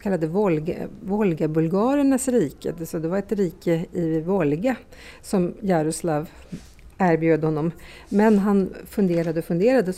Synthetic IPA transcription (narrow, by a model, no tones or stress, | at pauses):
kʰalːad̪əvɔlɡ̰vɔlɡabɵlɡɑːɾənasɾiːkə̰d̪sɔd̪ɛvaɾɛt̪ɾiːkəɪvɔlɡa | sɔmjɑɾʊslav | æːɾbjøːd̪əhɔnːɔm | mɛnɦanfɵnd̪eːɾad̪əɔfɵnd̪eːɾad̪ə